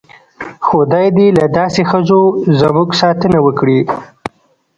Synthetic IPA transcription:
xod̪ɑjd̪elad̪ɑsexəzozamuɡsɑt̪ənawəkɽi

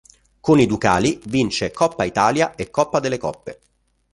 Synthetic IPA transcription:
konid̪ukaːlivint͡ʃekɔpːait̪aːljaekːɔpːad̪elːekɔ̰pːe

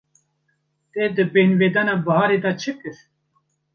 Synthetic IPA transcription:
t̪ed̪ɨbenveːd̪aːnaːbɐɦɑːɾed̪at͡ʃʰɨkɨɾ

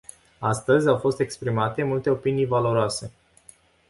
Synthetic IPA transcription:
ast̪əzʲawfo̞st̪e̞kspɾimat̪e̞mult̪e̞opinijvalo̞ɾoase̞

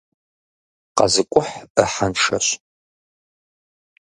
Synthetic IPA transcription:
qɑ̰zɨkʷʼʊħəħanʂɐ̰ɕ

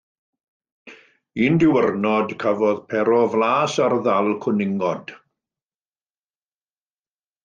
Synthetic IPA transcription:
iːndɪwərnɔdkʰavɔðpʰɛɾɔvlaːsarðalˠkʰʊnɪŋɔd̥

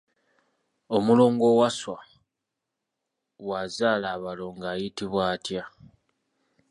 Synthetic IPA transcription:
o̞mulo̞ːŋɡo̞waswa | wazaːlaːβalo̞ŋɡaːjitiβwaːtja

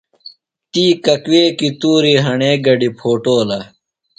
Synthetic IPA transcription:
t̪iːkɐkweːkit̪uːɾiɦɐɳeːɡɐɖipʰoːʈoːlɐ

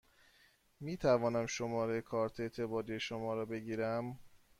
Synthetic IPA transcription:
miːt̪ʰævɒːnæmʃomɒːɾekʰɒːɾt̪ʰe̞t̪ʰebɒːd̪ijeʃomɒːɾɒːbeɟiːɾæm

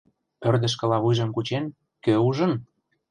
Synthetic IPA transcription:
pørd̪ə̆ʃ̬kə̆lɑβujʒə̆mkut͡ɕen | køuʒə̆n

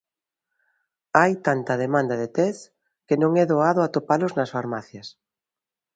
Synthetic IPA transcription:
ajt̪ant̪ɐð̞emãnd̪ɐðet̪ɛs | kenõŋɛðoaðʊat̪opalʊznɐsfaɾmaθjɐs

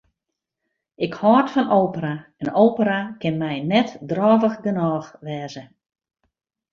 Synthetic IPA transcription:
ɪkhɔːrtfɔnoːpəɾaɛnowpəɾakɪnmɛjnɛtdrɔːvəxɡənɔːxʋɛːzə

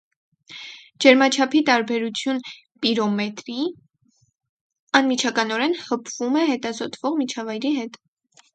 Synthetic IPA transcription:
d͡ʒɛɾmɑt͡ʃʰɑpʰit̪ɑɾbɛɾut͡sʰjun | piɾɔmɛt̪ɾi | ɑnmit͡ʃʰɑkɑnɔɾɛnhəpʰvumɛɦɛt̪ɑzɔt̪ʰv̥ɔʁmit͡ʃʰɑvɑjɾiɦɛt̪

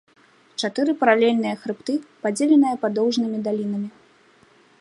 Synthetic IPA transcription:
t͡ʂat̪ɨɾɨpɐɾalʲɛlʲn̪ɨjɐxɾɨp̚t̪ɨpad͡zʲelʲɛnɨjɐpad̪ɔwʐnɨmʲid̪alʲin̪ɐmʲi

